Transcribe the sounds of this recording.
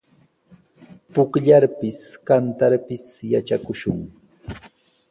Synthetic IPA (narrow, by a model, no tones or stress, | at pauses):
pʊkʎaɾpɪskant̪aɾpɪsjat͡ʃakʊʃʊŋ